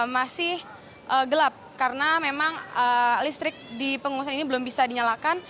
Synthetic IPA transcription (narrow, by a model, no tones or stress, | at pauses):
masɪh | ʔəɡəlap̚kaɾənamemaŋəlist̪ɾɪk̚dipəŋuus̬aninibəlʊmbisadiɲalakan